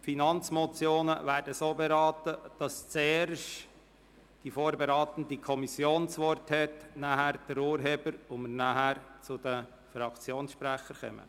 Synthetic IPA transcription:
finɑnt͡smɔt͡sjoːnəʋæːɾdəsoːbeɾɑːtəd̥ɑst͡seːɾʃt | d̥ifoːɾbeɾɑːt̪əndikʰɔmisjoːnsʋɔɾthɛtnæhæɾd̥ɛɾuːɾɦeːb̥əɾʊmənaɦæɾt͡sʊd̥ə | fɾɑkt͡sjoːnsʃpɾæχəɾkɛ̰mə̰

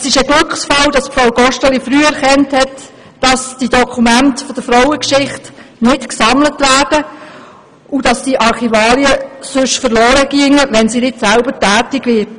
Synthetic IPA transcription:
sɪʃəɡlʏkχsfɑld̥ɑsfɾawɡɔʃtəlifɾyːæɾkɛnthɛt | d̥ɑsd̥idɔkʰumæntfɔd̥əfɾawəkʃɪχtnɪtksɑmlətʋæːɾd̥ə | ud̥ɑsd̥iʔɑɾχivɑːliəsʏʃfəɾlɔːɾəɡ̥iəŋəʋɛnsinɪtsælbətæːtɪɡʋɪɾt

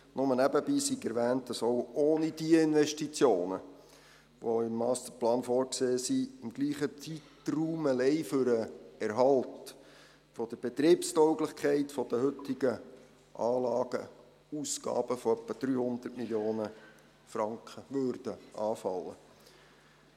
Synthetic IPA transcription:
nʔʊmənæbəbiːsiɡɛɾʋæːnt̚d̥ɑsowoːnidiəɪnʋɛʃtit͡sjoːnə | ʋoɪmːɑːst̪əplɑːnfɔːɾkseːsiɪmɡ̥liːχət͡sitruːməlɛɪfʏɾəɛɾɦɑlt | fɔd̪̥əɾb̥et̪ɾiːpstœwɡlɪχkʰχɛɪtfɔd̥̪əɦʏtɪɡə | ʔɑːlɑːɡ̥ə̰ | uːsɡɑ̰ːb̥əfɔœpːəd̥ɾyːhʊnd̪ətmiljoːnə | fɾɑŋkχəʋøːɾd̥əʔɑːfɑlːə̰

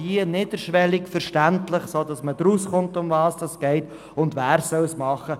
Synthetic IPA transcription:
inɪːd̥əɾʃʋɛlikfəɾʃtæntlɪχsoːd̥ɑsməd̥̪ɾusχʊntʊmvɑːsd̥ɑsɡ̥ɛɪt | ʊndʋæːɾsœwsmɑχə

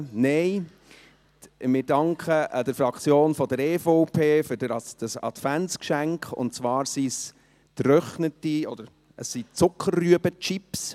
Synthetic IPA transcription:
neɪ | mɪɾdɑŋkχəʔd̥əɾfɾɑkt͡sjoːnfɔd̥əɾɛːfoʊpʰeːfʏɾdəɾd̥əsɑ̰tfæntskʃæŋkχʊ̰ntt͡svɑːɾsis | t̪ɾœχnətiɔd̥̪əɾ | əsːit͡sʊkʰːərːyəbət͡ʃɪps

